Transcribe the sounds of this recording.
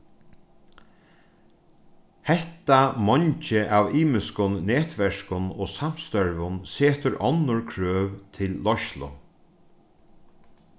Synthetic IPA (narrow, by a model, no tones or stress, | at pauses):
hɛht̪amɔɲt͡ʃɪʔaːviːmɪskʊnːɛːt̪ʋɛʂkʊnɔːsam̥st̪œɹvʊnseːt̪ʊɾɔnːʊɹkʰɾøːvt̪ʰɪlːɔʃlʊ̰